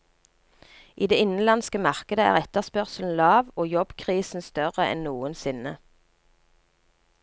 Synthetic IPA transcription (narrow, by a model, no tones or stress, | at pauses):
ʔiːd̪eːɪnn̩lɑnskəmɑʁkəd̪əæ̰ːʁɛt̪əʁspœʁsln̩lɑːʋoːjɔbkʰʁiːsn̩st̪œʁəʔɛ̰nnuːənsɪnə